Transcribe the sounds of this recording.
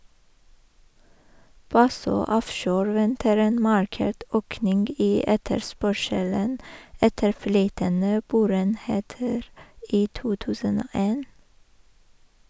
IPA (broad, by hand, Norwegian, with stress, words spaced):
ˈbɑsøː ˈɔfʃoːɾ ˈʋɛntəɾ ˈeːn ˈmɑɹˌkeːʈ ˈøːknɪŋɡ ˈiː ˈɛtəɾˌspœʃələn ˈɛtəɾ ˈflyːtənə ˈboːɾəeːnˌheːtəɾ ˈiː ˈtuː ˈtʉːsən ˈoː ˈeːn